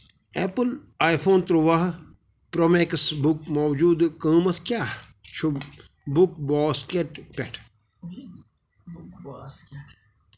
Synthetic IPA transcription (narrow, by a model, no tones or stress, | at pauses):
eːpəlaːjpʰoːnt̪ɾoʋaɦ | pɾomeːksbukmɔːwd͡ʒuːd̪kəːmɐt̪ʰkʲjaːt͡ʃʰu | buk̚bɔːskeʈpʲeʈʰ